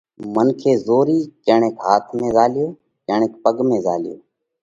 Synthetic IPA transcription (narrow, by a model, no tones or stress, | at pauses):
mənkʰeːzoːɾiːt͡ʃeːɳeːkɦaːt̪ʰmẽːzaːlɪjoː | t͡ʃəːɳeːk̚pəɡmẽːza̰ːlɪjo̰ː